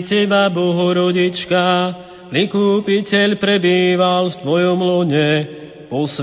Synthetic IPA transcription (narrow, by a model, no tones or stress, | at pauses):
cɛbabɔɦɔɾɔɟit͡ʃka | likuːpicɛʎpɾɛbiːʋalft̪ʋɔjɔmlɔɲɛ | pɔs